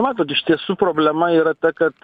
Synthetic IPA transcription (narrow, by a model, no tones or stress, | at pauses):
mat̪ot̬iʃt̪esupɾoblɛmaiɾɐtɐkɐt